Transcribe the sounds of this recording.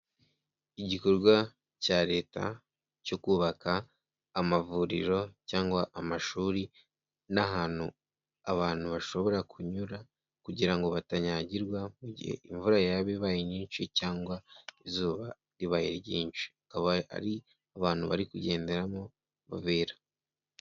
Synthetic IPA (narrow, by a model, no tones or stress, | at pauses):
iɟiko̞ɾɡwa | caːɾe̞ːta̰ | co̞kuːβakʰaː | mavuɾḭɾo̞caːŋɡwaʔamaʃuːɾi | naɦaːn̥hu | a̰βaːn̥huβaʃo̞βo̞ɾakʰuɲuɾa | kuɟiɾaŋɡo̞βataɲaɟiɾɡwamuɟḭhḛiɱvuɾajaβeβajiɲiːnʃicaːŋɡwaizuːβa | ɾiβajiɾɟiːnʃi̥akaβaa̰ɾi | aβaːn̥huβa̰ɾikuɟe̞ːnde̞ɾamo̞ | βa̰βeːɾa